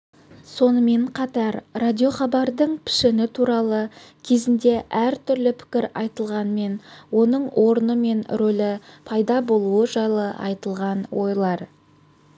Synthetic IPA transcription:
so̞nəme̞ɴqʰɑt̪ɑɾrad̪ʲio̞χɑbɑɾd̪əɴpʰɪ̥ʃɪnɪt̪ʰuɾɑlˠəkʲʰe̞zɪnd̪e̞ʔæɾt̪ʰʏɾlɪpʰɪ̥kʲɪɾɑjt̪əlˠʁɑnme̞nwo̞nəɴwʔo̞ɾənəme̞nɾolɪpʰɑjd̪ɑbo̞lˠuəʒɑjlˠəʔɑ̰jt̪əlˠʁɑnwo̞jlˠɑɾ

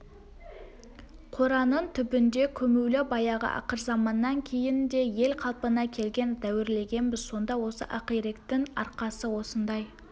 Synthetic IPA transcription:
qʰo̞ɾɑnənt̪ʰʏbɪnd̪e̞kʲʰɵmewlɪbɑjɑʁə̰ʔɑ̰qəɾzɑmɑnːɑŋkʲʰe̞jɪnd̪e̞je̞lqʰɑlˠpənɑkʲʰe̞lɡʲe̞nd̪æwɪɾle̞ɡʲe̞nbɪzso̞nd̪ɑwo̞sə̰ʔɑqiɾekt̪ɪŋɑ̰ɾqɑsəwo̞sənd̪ɑj

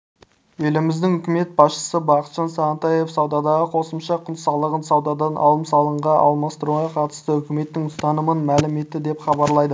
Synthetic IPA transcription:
ɵlɪmɪzd̪ɪŋɵkʲɪme̞t̪̚bɑsʃə̥səbɑqət̪ʒ̥ɑnsɑʁənt̪ɑje̞fsɑwd̪ɑd̪ɑʁəqʰo̞səmʃɑqʰʊnsɑlˠəʁənsɑwd̪ɑd̪ɑnʔɑ̰lˠəmsɑlˠəɴʁɑʔɑ̰lˠmɑst̪əɾuʁɑqʰɑt̪ə̥st̪əʏkʲɪme̞t̪ːɪŋʊst̪ɑnəmənmælɪme̞t̪ːɪd̪e̞pχɑbɑɾlˠɑjd̪ə

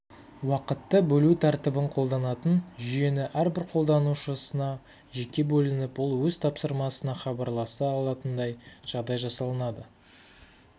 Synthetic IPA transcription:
wɑqət̪ːəbɵlut̪ʰɑɾt̪əbəɴqʰo̞lˠd̪ɑnɑt̪ənʒʏje̞nɪʔæɾbɪɾqʰo̞lˠd̪ɑnuʃəsənɑ | ʒe̞kʲe̞bɵlɪnɪpwʊlˠwɵzt̪ʰɑpsəɾmɑsənɑχɑbɑɾlˠɑsɑːlˠɑt̪ənd̪ɑjʒ̥ɑʁd̪ɑjʒɑsɑlˠənɑd̪ə

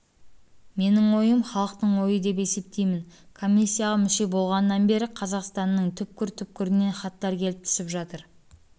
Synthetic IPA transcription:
me̞nɪŋwo̞jəmχɑlˠəqt̪əɴwo̞jəd̪e̞pe̞se̞p̚t̪e̞jmɪnkʰo̞mʲisʲːijaʁɑmʏʃe̞bo̞lˠʁɑnəːɑnbe̞ɾɪqʰɑzɑqst̪ɑnːəɴt̪ʰʏp̚kʲɪɾt̪ʰʏp̚kʲɪɾɪne̞nχɑt̪ːɑɾkʲʰe̞lɪp̚t̪ʰʏ̥sɪpʒɑt̪əɾ

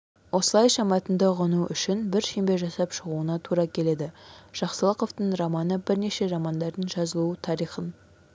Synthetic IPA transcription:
wo̞səlˠɑjʃɑmɑt̪ənd̪ɑʁənuʔʏʃɪnbɪɾʃe̞mbe̞ʒɑsɑpʃəʁuənɑt̪ʰuɾɑkʲʰe̞le̞d̪ɪʒ̥ɑqsəlˠəqo̞ft̪əɴrɑmɑnəbɪɾne̞ʃe̞ɾɑmɑnd̪ɑɾd̪ənʒɑzəlˠuət̪ʰɑɾijχən

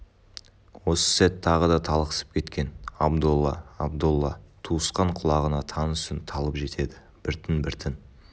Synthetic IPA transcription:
wo̞sə̥sæt̪ʰːɑʁəd̪ɑt̪ʰɑlˠqə̥sə̥p̚kʲʰe̞t̪kʲe̞nɑbd̪ulˠːɑ̰ɑbd̪ulˠːɑ̰t̪ʰuəsqɑɴqʰʊlˠɑʁənɑt̪ʰɑnsɪnt̪ʰɑlˠəpʒe̞t̪ʰe̞d̪ɪ | b̥ɪɾt̪ʰɪnbɪɾt̪ʰɪn

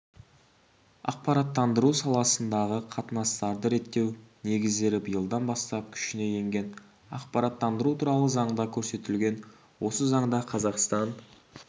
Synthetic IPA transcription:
ɑ̰q̚pɑɾɑt̪ːɑnd̪əɾusɑlˠɑsənd̪ɑʁəqʰɑt̪ənɑst̪ɑɾd̪əɾe̞t̪ːe̞wne̞ɡʲɪzd̪e̞ɾɪbəjəlˠd̪ɑnbɑst̪ɑp̚kʲʰʏ̥ʃɪne̞je̞ŋɡʲe̞n | ɑ̰qpɑɾɑt̪ːɑnd̪əɾut̪ʰuɾɑlˠəzɑɴd̪ɑkʲʰɵɾse̞t̪ɪlɡʲe̞n | wo̞səzɑɴd̪ɑqʰɑzɑqst̪ɑn

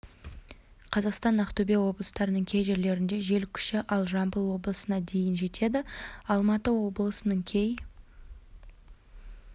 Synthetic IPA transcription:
qʰɑzɑqst̪ɑnɑqt̪ʰɵbe̞wo̞blˠəst̪ɑɾənəɴkʲʰe̞jʒe̞ɾle̞ɾɪnd̪e̞ʒe̞lkʲʰʏ̥ʃɪʔɑlˠʒɑmbəlˠwo̞blˠəsənɑd̪e̞jɪnʒe̞t̪ʰe̞d̪ɪɑlˠmɑt̪əwo̞blˠəsənəɴkʲʰe̞j

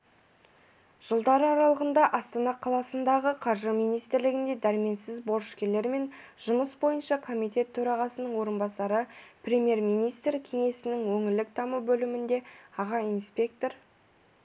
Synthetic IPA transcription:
ʒ̥əlˠd̪ɑɾəɑɾɑlˠəʁənd̪ɑʔɑst̪ɑnɑqʰɑlˠɑsənd̪ɑʁəqʰɑɾʒəmijnijst̪ɪɾlɪɡʲɪnd̪e̞d̪æɾɪme̞nsɪzbo̞ɾʃkʲe̞le̞ɾme̞n | ʒ̥ʊməsbo̞jənʃɑkʰo̞mijt̪e̞t̪ʰːɵɾɑʁɑsənəɴwo̞ɾənbɑsɑɾəprʲe̞mje̞ɾmijnijst̪rkʲʰe̞ŋe̞sɪnɪŋwɵŋɪɾlɪk̚t̪ʰɑməbɵlɪmɪnd̪e̞ɑʁɑinspe̞k̚t̪o̞ɾ

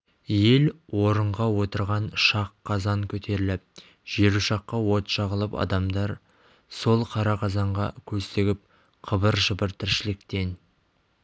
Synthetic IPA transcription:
je̞lwo̞ɾəɴʁɑwo̞t̪əɾʁɑnʃɑqʰːɑzɑŋkʲʰɵt̪ʰe̞ɾɪlɪp̚ | ʒ̥e̞ɾuʃɑqːɑwo̞t̪ʃɑʁəlˠəpɑ̰d̪ɑmd̪ɑɾ | so̞lˠqʰɑɾɑqʰɑzɑɴʁɑ̰kʲʰɵst̪e̞ɡʲɪp̚ | qʰəbəɾʒəbəɾt̪ʰɪɾʃɪlɪk̚t̪e̞n

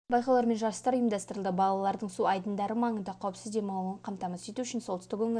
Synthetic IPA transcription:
bɑjqɑlˠɑɾme̞nʒɑɾsəst̪ɑɾʊjəmd̪ɑst̪əɾəlˠd̪əbɑlˠɑlˠɑɾd̪əɴsuɑjd̪ənd̪ɑɾəmɑɴənd̪ɑqʰːɑwəpsɪzd̪e̞mɑlˠəɴqʰɑmt̪ɑmɑsʒe̞t̪uʏʃɪnsolˠt̪əst̪ɪkʰɵŋɪ

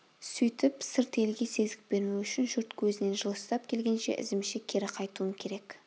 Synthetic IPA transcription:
sʏjt̪ɪpsɪɾt̪e̞lɡʲe̞se̞zɪk̚be̞ɾuʏʃɪnʒʊɾt̪kʲʰɵzɪne̞nʒəlˠəst̪ɑp̚kʲʰe̞lɡʲe̞nʃe̞̰ʔɪ̰zɪmʃɪkʲʰe̞ɾɪqʰɑjt̪uəŋkʲʰe̞ɾe̞k

